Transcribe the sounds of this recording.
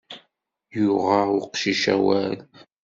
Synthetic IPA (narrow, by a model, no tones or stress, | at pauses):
jʊʁaʊqʃiʃæ̰wæl